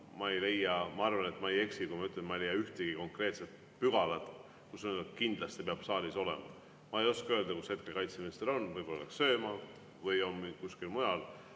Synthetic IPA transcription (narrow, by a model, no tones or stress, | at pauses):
mɑe̞jle̞jːɑmɑɑrvɑne̞t̪mɑeje̞ksikujmɑyt̪leet̪mɑejlejːɑyht̪eɡ̥iko̞ŋkre̞ːt̪set̪̚ | pyɡ̥ɑlɑt̪ | kusnekind̪lɑst̪ipeɑb̥sɑːliso̞lɛ̰mɑ̰ | mɑe̞jo̞skɑø̞ːld̪ɑkushe̞t̪̚ke̞lkɑjt̪semeːst̪eɾo̞nvɤjbo̞lleksø̞ːmɑ | vɯjo̞nmikuskilmujɑl